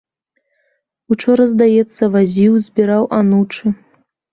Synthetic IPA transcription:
ut͡ʂɔɾɐzd̪ajɛt̪sːɐvazʲiwzʲbʲiɾawʔanut͡ʂɨ

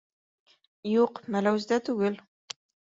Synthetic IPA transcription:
juqmælawzd̪at̪ʰʊɡɘl

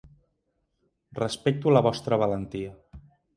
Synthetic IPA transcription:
rəspɛk̚t̪uləβɔst̪ɾəβ̞ələnt̪iə

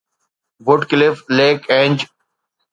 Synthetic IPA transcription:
ʋʊʈkɪlɪfleːkẽːɲd͡ʒ

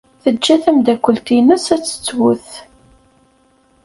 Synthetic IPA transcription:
θəd͡ʒːæθæmd̪ækʷːəlt̪inəsæt͡sːə̥t͡sːwʊθ

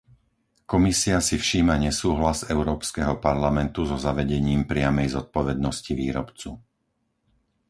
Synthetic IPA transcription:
kɔmisiasifʃiːmaɲɛsuːɦlazɛʊɾɔːpskɛɦɔpaɾlamɛnt̪uzɔzaʋɛɟɛɲiːmpɾɪamɛjzɔt̪̚pɔʋɛd̪nɔsciʋiːɾɔpt͡su

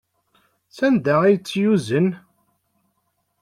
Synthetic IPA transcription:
sænd̪ææjət͡sːjuzən

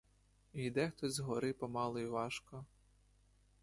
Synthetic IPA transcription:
ijd̪ɛxt̪ɔzʲzɦɔɾɪpɔmɑlˠɔjiʋɑʃkɔ

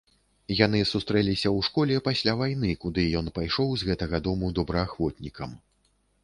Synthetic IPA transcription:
jan̪ɨsust̪ɾɛlʲisʲɐwʂkɔlʲɛpasʲlʲavajnɨkud̪ɨjɔnpajʂɔwzɣɛt̪ɐɣɐd̪ɔmud̪ɔbɾɐaxvɔt̪nʲikʰɐm

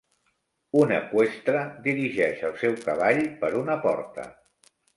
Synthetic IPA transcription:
unəkwest̪ɾəd̪iɾiʒɛʃəlˠsɛwkəβaʎpəɾunəpɔ̰ɾt̪ə̰

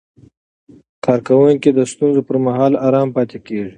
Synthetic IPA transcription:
kɑːɾkawʊŋkid̪əst̪unzopəɾmaɦɑːlaːɾɑːmpɑːt̪ekeːʐi

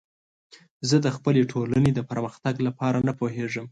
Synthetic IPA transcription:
zəd̪əxpəleʈʰolaned̪əpəɾməxt̪aɡlapɑɾanapoɦeʐəm

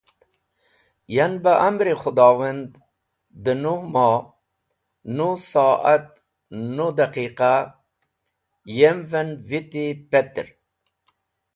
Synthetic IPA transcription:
janbaʔamɾixʊd̪ɑːwand̪ | d̪ənuhmɑ | nusɑat̪ | nud̪aqiqa | jemvenvit̪ipet̪ɾ

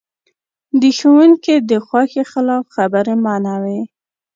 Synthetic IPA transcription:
d̪əxowuŋked̪əxwɑxexalɑfxabəɾemɑnawe

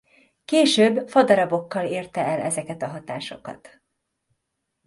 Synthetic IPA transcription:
keːʃøːbfɒd̪ɒɾɒbo̞kːɒleːrt̪ɛɛlɛzɛkɛt̪ɒɦɒt̪aːʃo̞̰kɒ̰t̪

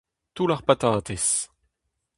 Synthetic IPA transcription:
t̪ulaʁpat̪aːt̪es

